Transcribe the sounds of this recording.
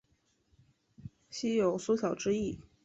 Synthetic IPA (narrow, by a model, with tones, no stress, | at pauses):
ɕi˥jo˨˩ʊsu˥ɕjɑ˨˩ʊʈ͡ʂɻ̩˥i˥˩